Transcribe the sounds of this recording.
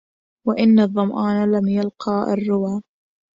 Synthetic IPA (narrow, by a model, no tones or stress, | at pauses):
waʔɪnːɑðˤːɑmʔɑːnalamjalqɑːʔa̰rːʊwaː